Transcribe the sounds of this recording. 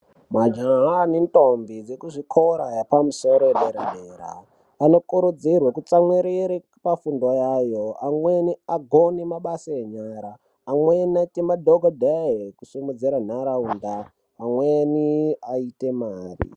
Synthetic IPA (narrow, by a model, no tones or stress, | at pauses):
mwad͡ʒaɦanentombid͡zekuʐikʰoɾajapamuso̞ɾoeɗeɾeneːɾa̰ː | no̞kuɾud͡zirwekut͡samwiɾiɾi | pafundo̞jajoamweniaɡʱonimaɓasaeɲaːɾaː | mweniaitemadʱoɡʱodʱakusimud͡ziɾan̤aɾaundaː | mweniaitemaːrḭ